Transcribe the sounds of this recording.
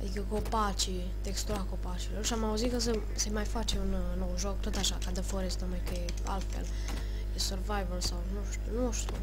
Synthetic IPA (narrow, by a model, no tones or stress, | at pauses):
a̰d̪ikəkopat͡ʃi | t̪ekst̪uakopat͡ʃiloɾʃiamauzit̪kəsə | semajfat͡ʃeun | nːowʒok̚t̪ot̪aʃakad̪əfoɾest̪omajkəe | a̰lt̪fḛl | jesorvajvolsawnuʃt̪unuoʃt̪u